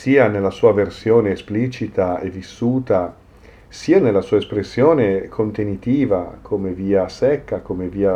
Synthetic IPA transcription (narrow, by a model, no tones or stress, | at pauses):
siːanelːasuːaversjoːneːsplit͡ʃit̪aevisːuːt̪a | siːanelːasuːaespɾesːjoːnekʰont̪enit̪iːvakʰomeviːasɛkːakomeviːa